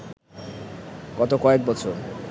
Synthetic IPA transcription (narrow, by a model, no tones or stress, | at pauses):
ɡ̥ɔt̪okɔek̚bɔt͡ɕʰoɾ